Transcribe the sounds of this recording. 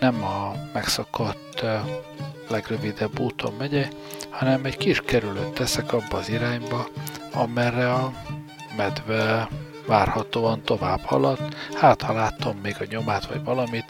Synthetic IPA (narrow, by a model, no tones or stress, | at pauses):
nɛmɒmɛksɒkot̪ː | lɛɡrøvid̪ɛbːuːt̪ʰo̞̰mvɛɟɛ | hɒnɛmɛɟkiʃkɛɾyløt̪ːɛsɛkɒbːɒːziɾaːɲbɒɒmɛrːɛɒ | mɛd̪vɛ | vaːrhɒt̪oːɒnt̪o̞va̰ːb̥hɒ̰lɒt̪ːhaːt̪hɒlaːt̪omːeːɡɒɲo̞maːt̪ʋɒ̰ɟvɒlɒmit̪